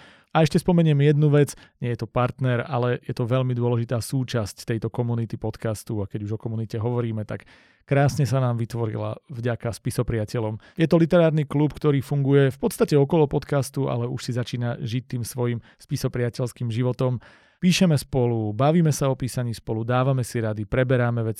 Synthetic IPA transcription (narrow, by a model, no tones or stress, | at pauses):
aɛʃcɛspɔmɛɲɪɛmjɛd̪nuʋɛd͡z | ɲɪɛjɛt̪ɔpaɾt̪nɛɾa̰lɛjɛt̪ɔʋɛʎmid̪ʊɔlɛʒit̪aːsuːt͡ʃasct̪ɛjt̪ɔkɔmunit̪ipɔt̪kast̪uakɛɟuʒɔkɔmunicɛɦɔʋɔɾiːmɛt̪ak | kɾaːsɲɛsanaːmʋit̪ʋɔɾḭla̰vɟakaspisɔpɾɪacɛʎɔm | jɛt̪ɔlit̪ɛɾaːɾniklupkt̪ɔɾiːfuŋɡujɛfpɔt̪st̪acɛɔkɔlɔpɔt̪kast̪ua̰lɛuʃsizat͡ʃiːnaʒic̚t̪ːiːmsʋɔjim | spisɔpɾɪacɛlskiːmʒiʋɔt̪ɔm | piːʃɛmɛspɔlubaʋiːmɛsaɔpiːsaɲiːspɔlud̪aːʋamɛsiɾad̪ipɾɛbɛɾamɛʋɛt͡s